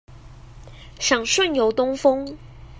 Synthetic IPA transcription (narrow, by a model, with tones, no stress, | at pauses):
ɕɑ˨˩ŋʂwə˥˨njo˨˧˥ʊt̪ʊ˥ŋfɤ˥ŋ